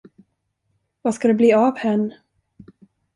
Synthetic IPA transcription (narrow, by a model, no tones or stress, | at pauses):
vaskad̪ɛbliːavhɛnː